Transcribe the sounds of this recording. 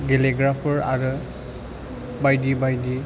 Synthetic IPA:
ɡeleɡɾapʰɔɹa̰ɾɯ | bajdibajdi

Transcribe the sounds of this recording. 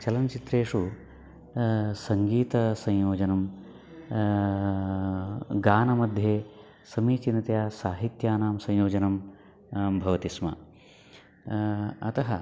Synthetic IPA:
t͡ʃɐlɐnt͡ʃit̪ɾeːʂu | sɐŋɡiːt̪ɐsɐ̃j̃joːd͡ʒɐnɐm | ɡaːnɐmɐd̪ʱjeː | sɐmiːt͡ʃinɐt̪jaːsaːɦit̪jaːnaːmsɐ̃j̃joːd͡ʒɐnɐm | bʱɐʋɐt̪ismɐ̰ | ɐt̪ɐɦɐ

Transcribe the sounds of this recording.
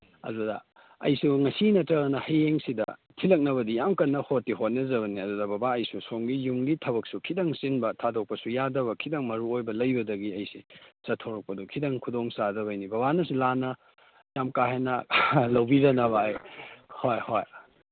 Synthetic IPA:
ɐ̰dudɐ̰ | ɐ̰jsuŋɐsinɐtɐɾɐnɐhɐjeŋsidɐ̰tʰilɐk̚nɐβɐdijamkɐnːɐhotːiɦot̚nɐzɐβɐniɐdudɐbɐbaɐjsusoŋɡijuŋɡitʰɐbɐk̚sukʰidɐŋsinbɐtʰadok̚pɐsujadɐβɐkʰidɐŋmɐɾuojbɐlɐjbɐdɐɡiɐjsisɐtʰoɾɐk̚pɐdukʰidɐŋkʰudoŋsadɐβɐjnibɐβanɐsulanɐ | jamkaɦenɐlɐwbidɐnɐβɐːjhojhoj

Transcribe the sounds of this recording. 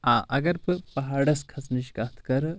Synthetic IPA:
ãːʔɐ̰ɡɐɾpɨpɐɦaːɽɐskʰɐsniʃkat̪ʰkɐɾ

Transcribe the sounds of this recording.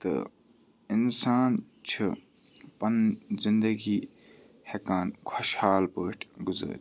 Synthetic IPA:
t̪ɨ̰ | ɪnsaːn | t͡ʃʰi | pɐnzind̪ɐɡiː | hekaːnkʰɐʃhaːlbəːʈʰɡʊzə̰ːt

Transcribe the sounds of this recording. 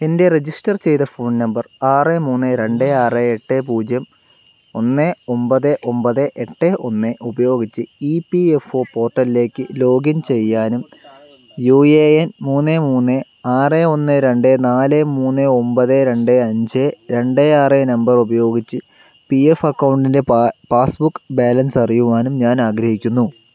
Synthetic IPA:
ende̞red͡ʑisʈɐrt͡ɕe̞jt̪ɐfoːɳnɐmbɐraːremuːnːɨɾe̞ɳɖeaːreeʈːeːpuːd͡ʑjɐm | o̞nːeo̞mbɐðɨʔo̞mpɐðɨʔeʈːeʔo̞nːeʔubɐjo̞ːɡit͡ɕːɨiːpiefo̞ːpo̞ːrʈːɐlile̞ːkːɨlo̞ːɡɐmt͡ɕe̞jːaːnum | juːeenmuːnːemuːnːe | aːreo̞nːɨɾe̞ɳɖenaːlemuːnːeo̞mbɐðeɾe̞ɳɖeɐɲd͡ʑeɾe̞ɳɖeaːrenɐmbɐrubɐjo̞ːɡit͡ɕːɨ | piefɐkːɐwɳɖinde̞paːsbukːbaːlɐnsɐrijuʋaːnumɲaːnaːɡɾɐhikʲːunːu

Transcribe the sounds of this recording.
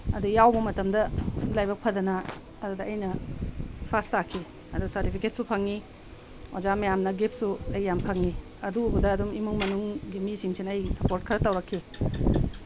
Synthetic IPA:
ɐdujawbɐmɐtɐmdɐlajbɐk̚pʰɐdɐnɐː | dudɐɐjnɐ | pʰastakʰːi | ɐduɡsɐɾtipʰiket̚supʰɐŋni | o̰zamɐjamnɐɡip̚ʰsuɐjːampʰɐŋni | ɐduːbɐdɐːdumimuŋmɐnuŋɡimisiŋsinːjsɐpoɾt̚kʰɐɾɐtɐwɾɐkʰːi

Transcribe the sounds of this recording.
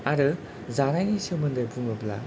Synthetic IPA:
aɾɯ | zanajnisewmɯndɐjbuŋɐbla̰

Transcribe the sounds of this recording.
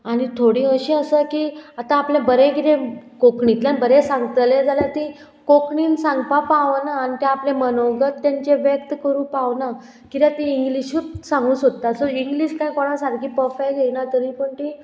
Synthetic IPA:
aɽ̃it̪ʰoɽĩəɕiəsəkiat̪ãːplabəɾẽkit̪ẽkokɳit̪lanbəɾẽsãŋɡt̪led͡zaljat̪ĩ | kokɳiːnsãŋɡpapaʋnaːnit̪ãaplemənoʋɡət̪ːjaɲt͡ɕeʋjək̚t̪kəɾuːpaʋna | kit̪jat̪ĩːŋɡliɕuːt̪sãŋɡũːsot̪ːasɔiŋɡliɕkãjkɔɽãsaɾkʰiːpɔfajɡenat̪əɾĩpəɳʈ̪i

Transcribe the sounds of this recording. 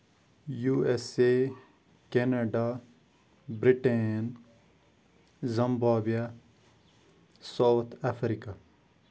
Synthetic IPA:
juːese | kenaɖaː | bɾiʈen | zɐmbaːbija | sawt̪ʰafɾika

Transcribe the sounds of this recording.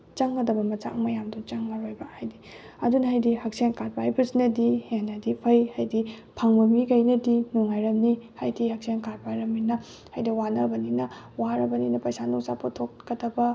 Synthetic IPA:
t͡ʃɐŋɡɐdɐbɐmɐt͡ʃa̰kmɐjamdut͡ʃaŋmaɾojbɐhajdi | ɐ̰dunɐɦajdihɐk̚senkat̚pajbɐsinɐdihenɐdipʰɐjhajdipʰaŋbɐmikɐjnɐdinuŋajɾɐmnihajdihɐk̚senkat̚pajɾɐminɐ | hajdiwanɐbɐninɐ | waɾɐbɐninɐpɐjsanuŋsapʰotʰokkɐdɐbɐ

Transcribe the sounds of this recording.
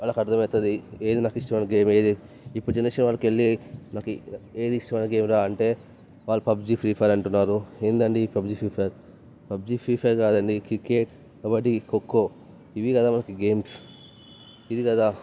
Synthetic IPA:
aːlːɐkɐɾt̪ʰɐmɛːt̪ːɐd̪ie̞ːd̪inaːkiʂʈɐmɐːnɡe̞ːmeːd̪i | ipːuɽud͡ʒɐnɐʃɐnʋaːlːɐkeɭːinaːkue̞ːd̪iiʂʈɐmaːnɡe̞ːmɾaːɐɳʈe̞ː | ʋaːɭːupɐbd͡ʒipʰɾiːpʰɐɾɐɳʈunːaːɾuend̪ɐɳɖipɐbd͡ʒipʰiːpʰeɾ | pɐb̚d͡ʒipɾiːpʰeɾkaːd̪ɐɳɖikɾikeːʈ | abɐʈːikokːoː | iʋikɐd̪aːmɐnɐkiɡeːms | id̪ikɐd̪aː

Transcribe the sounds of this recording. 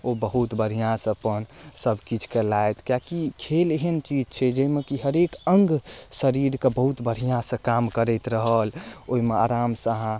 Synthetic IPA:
obəɦut̪bəɽ̤ijãsə̃əpənsəbʱkit͡ʃʰkelaet̪kjakikʰeleɦənt͡ʃid͡ʒt͡ʃʰɛd͡ʒəimekiɦəɾekəŋɡsəɾiɾkebəɦut̪bʱəɽ̤ijãsə̃kamkəɾɛt̪ɾəɦəloɦimeaɾamsaɦã

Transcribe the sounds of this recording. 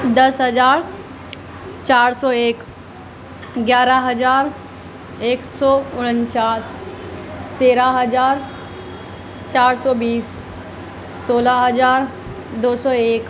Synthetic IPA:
d̪ɐsɦəzaːɾ | t͡ʃaːɾsɔːeːk | ɡjaːɾaɦɐzaːɾ | eːksɔːʊɽ̃ənt͡ʃaːs | t̪eːɾaɦəzaːɾ | t͡ʃaːɾsɔːbiːs | oːlaɦəzaːɾ | d̪oːsɔːeːk

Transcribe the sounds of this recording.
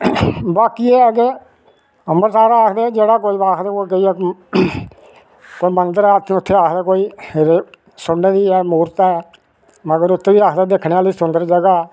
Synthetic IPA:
baːkiːɛk̬e | əmbəɾsaːɾaːaːkʰd̪eːd͡ʒeːɽaːk̬oːiːbaːkʰd̪aːkoːikəiːɛ | koːiːmənd̪əɾɛːt̪ʰʊt̪ʰːeːaːkʰd̪aːkoːiːɾ | sʊnːeːd̪iːɛːmuːɾt̪aɛː | məɡəɾʊt̪ʰːeːʋiːɾakʰd̪aːd̪eːkʰneːaːliːsʊnd̪əɾd͡ʒəɡaː

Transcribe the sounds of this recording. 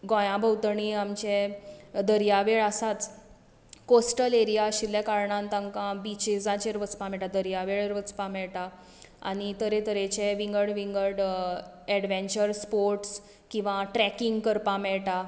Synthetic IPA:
ɡɔ̃jãbʱəwt̪ɳiamt͡ɕẽd̪əɾijaʋeɭasat͡s | kosʈəleɾijaəɕiljakaɾɳãnt̪ãŋkãbit͡ɕed͡zãt͡ɕeɾʋət͡spamɛʈad̪əɾjaʋeɭeɾʋət͡spamɛɭʈa | a̰ñit̪əɾẽt̪əɾet͡ɕeʋiŋɡəɽʋiŋɡəɽ | ɛɽʋẽɲt͡ɕəɾspoɾʈs | kĩw̃ʋãʈɾɛkiŋɡkəɾpãmɛɭʈa

